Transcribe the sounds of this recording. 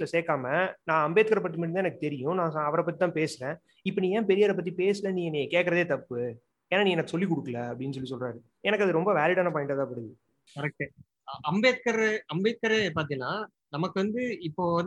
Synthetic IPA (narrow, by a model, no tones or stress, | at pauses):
lɐseːkːaːmɐnãːɐmbeːt̪kɐɾɐpːɐʈ̪ːɯmɐɽɪnãːɛnɐkːɯt̪ɛɾɪjʊ̃nãːsɐʋɐɾɐp̬ːɐt̪ːit̪ãːpeːsɯɾẽː | ɪpːɐnĩːẽːpɛɾɪjaːɾɐp̬ːɐt̪ːipeːsɯlɐnĩːɛniːkeːʈkːɐɾɐðeːt̪ɐpːɯ | eːnːaːnĩːɛnɐkːɯsɔlːik̬ʊɽɯkːɐlɐɐpːɽɪnːɯs̬ɔlːisɔlraːɾɯ | ɛnɐkːɐðɯɾɔmbɐʋaːlɪɽaːnaːpaːɪʈːɐːt̪ːaːpɐɽɯðɯ | kɐɾɐk̚ʈːɯ | ʔɐmbeːt̪kɐɾɐmbeːt̪̚kɐɾep̬aːɾt̪ɪŋnaː | nɐmɐkːɯʋɐnd̪ɯɪpːoːɐ